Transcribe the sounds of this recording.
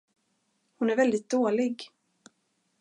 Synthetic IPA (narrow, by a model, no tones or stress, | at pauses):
hʊnæɾvɛld̪ɪt̪̚d̪oːlɪɡ